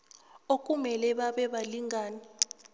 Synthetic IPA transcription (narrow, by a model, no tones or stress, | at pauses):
ok̬ʼumɛlɛɓaɓɛɓaliŋʱaːni